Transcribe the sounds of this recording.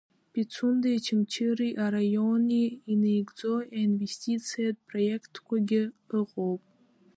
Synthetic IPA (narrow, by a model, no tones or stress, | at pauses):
pʼit͡sʰundajt͡ʃʰɪmt͡ʃʰɨriʔaɾajo̞niːne̞jɡd͡zo̞einve̞sʲtʲʰit͡sʰijat̚ʼpʰrojekʰtʰkʷaɡʲɪɨqʼowpʼ